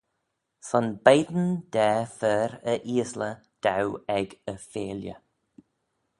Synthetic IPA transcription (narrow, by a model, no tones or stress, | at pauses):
sɔnbejd̪ən̩d̪̥ɛːfəːɾəʔiːəslə | d̪̥awɛɡəfeːljə̰